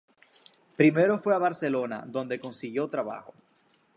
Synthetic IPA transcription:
pɾime̞ɾo̞fwe̞aβaɾse̞lo̞na̰ðo̞nd̪e̞ko̞nsiɣjo̞t̪ɾaβa̰xo̞

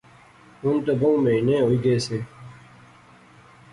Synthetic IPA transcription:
ʊnt̪oboũːmenẽːɦoːiːɡeːseː

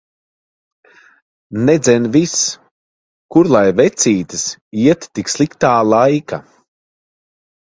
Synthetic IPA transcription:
nɛd̪zɛnvis | kuɾlˠajvɛt̪siːt̪ɨsiɛt̪ːikslˠikt̪aːlˠajka̰

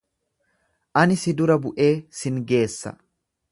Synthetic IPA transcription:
ʔɐnɪsɪd̪ʊɾɐbʊʔe̞ːsɪŋɡe̞ːsːɐ̰

